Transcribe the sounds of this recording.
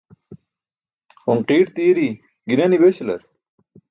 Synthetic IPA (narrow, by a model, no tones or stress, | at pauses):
xoŋqiːʈt̪iːɾi | ɡinɐnibeɕlɐ̰ɾ